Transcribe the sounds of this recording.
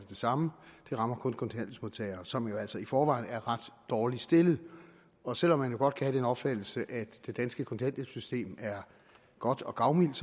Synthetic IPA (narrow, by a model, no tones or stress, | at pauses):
d̥e̝sɑ̈məd̥e̝ʁɑ̈mɐkʰɔ̽nkʰɔ̽nt͡sʰæn̰d̥əsmo̝ðˠt͡sʰɛɪ̰ɐːsɒ̽mjo̝æl̰sɒ̽ifɒːʋɑ̈ɪ̰næɐʁɑ̈d̥ːɒːlisd̥e̝lð̩ˠ | ɒ̽sel̰ɒ̽mːænjo̝ɡ̥ɒ̽d̥̚kʰæhæd̥enɒ̽b̥fæd̥l̩səʔæd̥e̝d̥ænsɡ̥əkʰo̽nt͡sʰæn̰d̥əsysd̥e̝̰ːmæɐ | ɡ̥ɒ̽d̥ɒ̽ɡ̥ɑ̈ʊmil̰d̥